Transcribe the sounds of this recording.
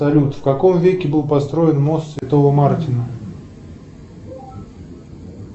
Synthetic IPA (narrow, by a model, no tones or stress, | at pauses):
ɐlʲut̪fkɐko̞mvʲekʲɪbɨlˠpɐst̪ɾo̞jɪnmo̞st̪svʲɪt̪o̞vəmartʲɪnə